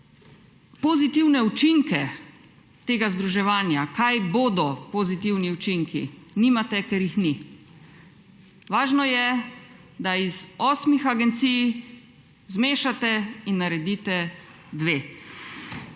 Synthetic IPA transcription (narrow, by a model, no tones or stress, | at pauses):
pozit̪iwnɛut͡ʃiŋkɛ | t̪eːɡazd̪ɾuʒɛʋaːnjakajboːd̪ɔpozit̪iwniut͡ʃiŋkḭniːmat̪ɛkɛɾjixni | ʋaːʒnɔjɛ | d̪aizɔːsmixaɡɛnt̪sij | zmeːʃat̪ɛinːaɾɛd̪iːt̪ɛ | d̪ʋeː